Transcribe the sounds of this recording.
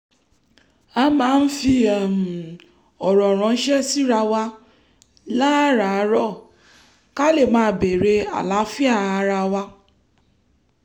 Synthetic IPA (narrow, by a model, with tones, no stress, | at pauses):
a˧˦mãː˨˦˧n̩˦fi˧ɛ˨m̩˨ | ɔ˨ɾɔ̃˨ɾ̃ɔ̃˨˧n̩˦ʃɛ˦si˦ɾa˧wa˧ | la˦ɾa˨˦ɾɔ˦˨ | ka˦le˦˨mãː˨˧˦be˨ɾe˧a̰˨la˨˦fi˦a˦˨a˧ɾa˧wa˧